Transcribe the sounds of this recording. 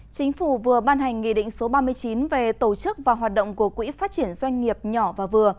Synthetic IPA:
t͡ɕï˨˦ŋ̟fu˧˩vɨ˨˩əɓaː˧nɦa˨˩jŋ̟ŋḭ˧˨ɗḭ˧˨ŋ̟so˨˦ɓaː˧mɨ˧əjt͡ɕi˨˦nve˨˩t̪o˧˩t͡ɕɨ˦˥k̚vaː˨˩ɦwaː˨˩t̚ɗo̰˧˨wŋ͡mku˧˩əkwḭ˧˥faː˦˥t̚t͡ɕi˧˩ənzwa˧jŋ̟ŋi˨˩əp̚ɲɔ˧˩vaː˨˩vɨ˨˩ə

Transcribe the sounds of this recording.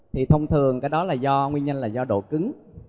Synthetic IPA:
t̪ʰi˨˩t̪ʰə˧wŋ͡mt̪ʰɨ˨˩əŋkaː˨˦jɗɔ˨˦laː˨˩zɔ˧ŋwi˧nɲə˧nlaː˨˩zɔ˧ɗo̰˧˩kɨ˨˦ŋ

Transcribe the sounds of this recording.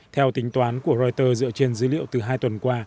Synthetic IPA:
t̪ʰɛ˧wt̪ï˨˦ŋ̟t̪waː˨˦nku˧˩əɾɔ˧jt̪əː˧zɨ̰˧ət͡ɕe˧nzɨː˨˦lḭ˧˨əwt̪ɨ˨˩ɦaː˧jt̪wə˨˩nkwaː˧

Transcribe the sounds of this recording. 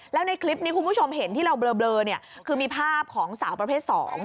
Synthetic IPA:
lɛː˦˥wna˧jkʰli˦˥p̚niː˦˥ku˧nbʰu˥˩o˧mɦe˩˦nt̪ʰiː˥˩ɾa˧wblɤː˧blɤː˧ni˥˩ɐkʰɯː˧miː˧pʰaː˥˩p̚kʰɔː˩˦ŋsaː˩˦wpɾa˧pʰeː˥˩t̪̚sɔ̰ː˩˦ŋ

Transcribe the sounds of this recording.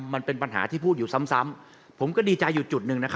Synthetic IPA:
ma˧npe˧npa˧nɦa̰ː˩˦t̪ʰiː˥˩pʰuː˥˩t̪̚juː˨˩sa˦˥msa˦˥m | pʰo˩˦mkɔː˥˩diː˧t͡ɕa˧jːu˨˩t͡ɕu˨˩t̪̚nɯ˨˧˩ŋna˦˥kʰa˦

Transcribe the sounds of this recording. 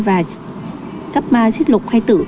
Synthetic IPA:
vaː˨˩ | ka˦˥p̚maː˧t͡ɕi˦˥t̚lʊ˨˩k͡p̚xa˧jt̪ɨ̰˧˩

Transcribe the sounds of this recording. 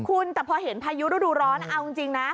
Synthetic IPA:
kʰu˧nt̪ɛː˨˩pʰɔː˧ɦe˩˦npʰaː˧ju˦˥dɾoː˥˩duː˧ɾɔː˦˥nʔa˧wi˧ŋt͡ɕi˧ŋna˦˥

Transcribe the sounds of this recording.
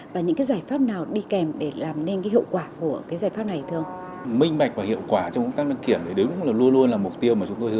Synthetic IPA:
vaː˨˩ɲɨ̰˧˥ŋkaː˨˦jzaː˧˩jfaː˦˥p̚naː˨˩wɗi˧kɛ˨˩mɗe˧˩laː˨˩mne˧nkaː˨˦jɦḭ˧˨wkwaː˧˩ku˧˩əkaː˨˦jzaː˧˩jfaː˦˥p̚na˨˩jt̪ʰɨ˧ə˧wŋ͡m | mï˧ŋ̟ɓa˨˩k̟̚vaː˨˩hḭ˧˨əwkwaː˧˩t͡ɕɔ˧ŋ͡mkʊ˧˦˥t̪aː˦˥lə˧˨ŋki˧˩ənɗe˨˧˩ɗe˨˦wlʊ˦˥ŋ͡m̚laː˨˩lu˧ənlu˧ənlaː˨˩mʊ˨˩k͡p̚t̪i˧əwmaː˨˩t͡ɕʊ˨˦ŋ͡mt̪o˧jhɨ˧˦

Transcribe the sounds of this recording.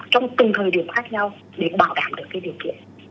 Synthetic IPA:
t͡ɕɔ˧wŋ͡mt̪ɨ˨˩ŋ͡mt̪ʰəː˨˩jɗi˨˩əmxaː˦˥k̚ɲa˧w | ɗe˧˩ɓaː˧˩wɗa̰ː˧˩mɗɨ˨˩əkːaː˨˦ɗi˨˩əwkḭ˧˨ən

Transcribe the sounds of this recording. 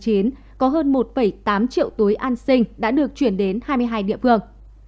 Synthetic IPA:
t͡ɕi˨˦ən | kɔ˨˦ɦəː˧nmo˨˩t̚fə˧˩jt̪aː˨˦mt͡ɕḭ˧˨əwt̪u˨˦jʔaː˧nsï˧ŋ̟ɗa̰ː˧˥ɗɨ˨˩ək̚t͡ɕwi˧˩ənɗe˨˦nhaː˧jmɨ˧əjɦaː˧jɗḭ˧˨əfɨ˧əŋ

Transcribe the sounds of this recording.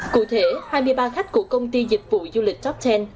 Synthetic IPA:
kṵ˧˩t̪ʰe˧˩˦haː˧jmɨ˧əjɓaː˧xa˦˥k̟̚ku˧˩əkə˧wŋ͡mt̪i˧zï˨˩k̟̚vṵ˧˨zu˧lï˨˩k̟̚t͡ɕɔ˦˥p̚t͡ɕɛ˧n

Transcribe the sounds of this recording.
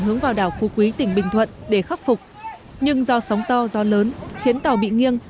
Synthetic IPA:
ŋɦɨ˨˦əŋvaː˨˩wɗaː˧˩wxu˨˧˦kwi˨˦t̪ï˧˩ŋ̟ɓï˨˩ŋ̟t̪ʰwə̰˧˨nɗe˧˩xa˦˥p̚fʊ˨˩k͡p̚ | ɲɨ˧ŋzɔ˧sa˨˦wŋ͡mt̪ɔ˧zɔ˨˦ləː˨˦nxi˨˦ənt̪ə˨˩wɓḭ˧˨ŋi˧əŋ

